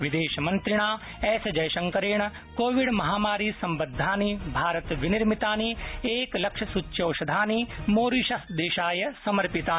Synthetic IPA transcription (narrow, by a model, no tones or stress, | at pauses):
ʋid̪eːʃɐmɐnt̪ɾɪɳ̃aː | ɛːsɐd͡ʒɐjʃɐ̃ŋkɐɾeːɳ̃ɐ | koːʋiɽmɐɦaːmaːɾiːsɐmbɐd̪ʱːaːnibʱaːɾɐt̪ʋiniɾmit̪aːnieːklɐkʃɐsut͡ʃːʃɐːʃɐd̪ʱaːnimoːɾiʃɐd̪eːʃaːjɐsɐmɐɾpit̪aː